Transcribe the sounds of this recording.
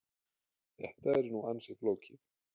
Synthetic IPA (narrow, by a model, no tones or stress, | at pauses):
ɛ̰ht̪aɛɾnuansɪfloːwcɪθ